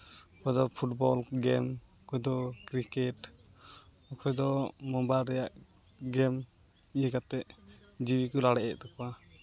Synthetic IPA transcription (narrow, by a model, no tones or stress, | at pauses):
pɔd̪ɔpʰuʈbɔlɡɛm | ɔkɔjd̪ɔkɾikɛʈ | ɔkʰɔjd̪ɔmɔmbaːɛjaʔ | ɡɛm | ijəkat̪ɛʔ | d͡ʒibikɔlaɽɛʔɛʔt̪akwa